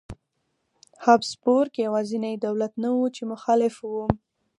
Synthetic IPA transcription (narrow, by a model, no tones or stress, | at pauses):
hɑbspoɾkjawɑzinajd̪awlat̪nawut͡ʃemʊxɑlɪfwum